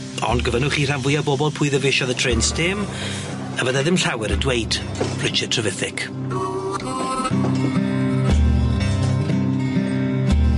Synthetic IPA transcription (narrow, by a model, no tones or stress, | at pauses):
ɔ̰ndɡəvənʊχiːr̥anvʊjabɔbɔlˠpʰʊːɨðəvɪʃɔðətʰr̥ɪnstɪm | əvəðaðɪmɬawɛɾədwejd̥ | b̥rɪt͡ʃɛtʰrəvɪθɪkʰ